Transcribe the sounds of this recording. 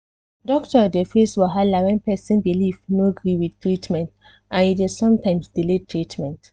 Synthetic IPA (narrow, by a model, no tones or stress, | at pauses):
dɔktəɔdefeswɔɦalaɹɛ̃npɛsĩnbilifnoɡɹiwidtɹitmɛ̃nt | ʔãnidesɔ̃mtãɪ̃msd̥iletʰɹitmɛ̃nt